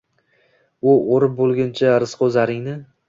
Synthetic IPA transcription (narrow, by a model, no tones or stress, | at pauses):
ʊoɾɪp̚bolˠɡʲɪnt͡ʃʰaɾɪsqʰozaɾɪŋnɪ